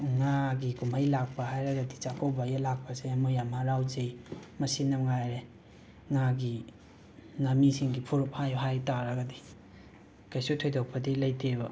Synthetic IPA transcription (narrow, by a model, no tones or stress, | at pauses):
ŋaɡikumajlak̚pɐhajɾɐɡɐdit͡ʃakʰowbajalak̚pɐsemojamaɾawzejmɐsinɐŋajɾe | ŋaɡi | namisiŋɡipʰuɾup̚hajɦajtaɾɐɡɐdi | kajsutʰojdawpʰɐdilɐjtʰebɐ